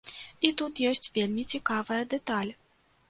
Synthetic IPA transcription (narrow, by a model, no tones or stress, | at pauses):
it̪ut̪jɔsʲt͡sʲvʲelʲmʲit͡sʲikavɐjɐd̪ɛt̪alʲ